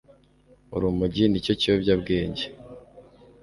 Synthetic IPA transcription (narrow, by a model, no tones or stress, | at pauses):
ṵɾumuɟinico̞ciwobɟabɡeːɲɟe